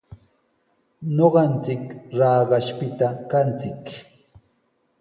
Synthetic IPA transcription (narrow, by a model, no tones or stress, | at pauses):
ɲoɢɑnt͡sɪkɾɑːɢɑʃpɪt̪akant͡sɪk